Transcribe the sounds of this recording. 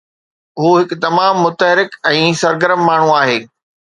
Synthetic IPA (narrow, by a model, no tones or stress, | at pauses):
ɦuːɦɪkʊt̪ɐmaːmːʊt̪əɦɪɾɪkɛ̃ːsɐɾɡəɾəmːaːɳ̤uaːɦeː